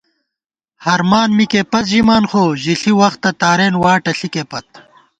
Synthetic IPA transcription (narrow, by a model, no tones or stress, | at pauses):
hɐɾmaːnmikepɐt͡s̪ʑimaːnxoːʑiɬiwɐxt̪ːɐt̪aːɾeːnwaːʈɐɬikepɐt̪̚